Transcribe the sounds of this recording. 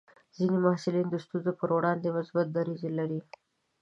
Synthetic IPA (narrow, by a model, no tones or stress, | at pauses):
zinimahsɪlind̪əst̪unzopəɾwɽɑnd̪emʊsbat̪̚d̪aɾizelaɾi